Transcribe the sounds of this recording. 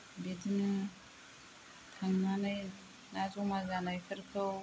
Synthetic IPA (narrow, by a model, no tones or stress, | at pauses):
betʰinɯ | tʰaŋnanaj | nazɔmazanajkʰɯɾkʰɯw